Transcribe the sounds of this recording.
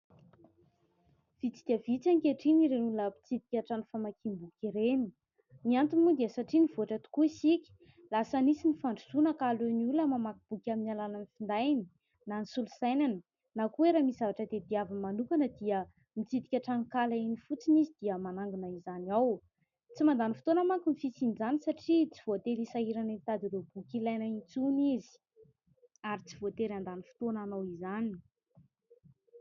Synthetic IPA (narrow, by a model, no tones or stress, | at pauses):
v̥it͡si̥d̪iəvit͡saŋkeʈ͡ʂiniɾenuləmit͡sit̪ikʲaʈ͡ʂanifamakimbukʲiɾeni̥ | niant̪inimud̪iəsaʈ͡ʂinivoaʈ͡ʂət̪u̥kuisikʲi̥ | lasənisinifaɳɖ͡ʐusunəkaleniuləmamakib̥ukʲaminalalanifind̪ajni | nanisulusajnanə | nakueɾamiz̥avaʈ͡ʂəd̪ed̪iavəmanukanəd̪iə | mit͡sit̪i̥kʲaʈ͡ʂaŋkalainifut͡sinizid̪̥iəmanaŋɡunəizaniaw | t͡simand̪anifi̥t̪onamakumifisinid͡zanisaʈ͡ʂit͡si̥v̥ot̪eɾisaɦiɾanint̪ad̪iɾewb̥ukilajnəit͡sunizi̥ | aɾit͡si̥vot̪eɾand̪anifu̥t̪onanowizani̥